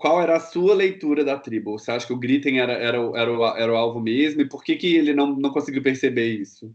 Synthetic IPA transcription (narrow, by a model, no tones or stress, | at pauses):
kwawɛɾɐːsuɐlejt̪uɾɐd̪ɐt̪ɾibʊseaʃʊ̥kɪʊɡɾit̪ẽj̃ɛɾɐɛɾɐʊʔɛɾɐʊaʔɛɾɐʊawvʊ̃mezmʊɪpoɾkekɪelɪnɐ̃w̃nɐ̃w̃kõsɪɡiwpeɾsebeisʊ